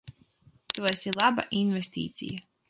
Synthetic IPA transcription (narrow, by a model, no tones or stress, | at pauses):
t̪uɔsilˠaba̰ʔinvest̪ʲḭːt̪sʲḭjɐ